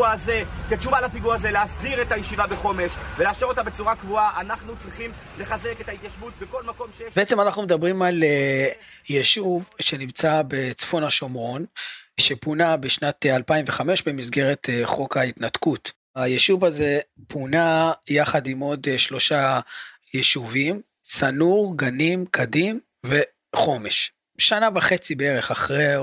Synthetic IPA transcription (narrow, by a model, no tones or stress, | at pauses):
aze̞ket͡ʃumalapiɡuazeleasdiʁetajeʃivabeχo̞meʃveleaʃeʁo̞tabet͡suʁakvuaʔanaχnut͡sʁiχimle̞χaze̞ketait̪jaʃvut̪̚beko̞lmako̞mʃejbeet͡semanaχnumed̪abʁimal | jeʃuvʃe̞nimt͡sabe̞t͡sfo̞naʃo̞mʁo̞nʃepunabeʃnat̪alpaimveχame̞ʃbe̞mizɡe̞ʁet̪χo̞kait̪natkut | ajeʃuvaze̞punajaχadimo̞dʃlo̞ʃa | jeʃuvim | sanuʁɡanimkʰadim | ve̞ | χo̞me̞ʃ | ʃanavaχe̞t͡sibeeʁe̞χaχʁe